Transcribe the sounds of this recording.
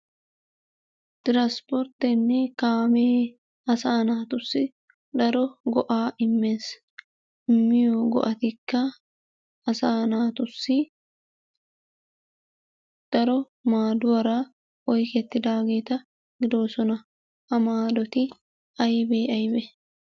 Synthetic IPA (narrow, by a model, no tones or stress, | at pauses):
t̪ɪɾaspɔɾt̪ɛnːɛkaːmeː | ɐsaːnaːt̪ʊsːɪ | ᶑ̪ɐɾɔɡɔʔaːʔɪmːeːs | ɪmːɪjoɡɔ̰ʔɐt̪ɪkːɐ | ɐsaːnaːt̪ʊsːɪ | d̪̥ɐɾɔ | maːd̪ʊwɐɾaː | ɔjkɛt̪ːɪd̪aːɡeːt̪ɐ | ɡɪd̪o̞ːsɔnɐ | hɐmaːd̪ɔt̪ɪ | ɐjbeːɐjbɛ